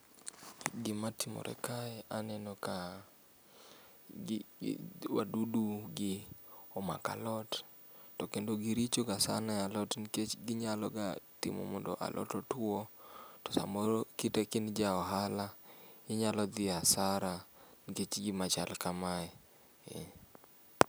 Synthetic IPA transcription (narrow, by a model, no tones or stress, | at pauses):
ɡɪmatimɔ̰ɾʔɛ̰kaɛanɛnɔka | wa̰duduɡɪɔma̰ka̰lɔtː | ɔkendoɡiɾit͡ʃoɡasa̰najalɔtnket͡ʃɡɪɲalɔɡatɪ̰mɔ̰mɔndɔ̰ʔa̰lʔɔ̰tɔtwotɔ̥sa̰mɔɾkitekɪnd͡ʒaɔɦalaɪɲalɔd̪ɪasaɾanket͡ʃɡɪmat͡ʃa̰lkamaɛ | ɛ̰